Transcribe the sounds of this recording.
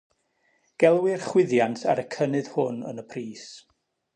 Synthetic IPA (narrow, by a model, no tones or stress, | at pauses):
ɡ̥ɛlˠwɪrχwɪðjantʰa̰ɾəkʰənɨð̥hʊnə̰nəpʰriːs